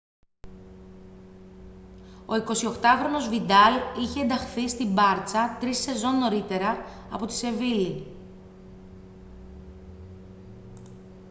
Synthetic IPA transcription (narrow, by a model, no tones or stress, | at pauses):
o̞iko̞sio̞xt̪ɐxɾo̞no̞zvid̪ɐliçeːnd̪ɐxθist̪imbɐɾt͡sɐt̪ɾise̞zo̞nːo̞ɾit̪e̞ɾɐː | po̞t̪i̥se̞vili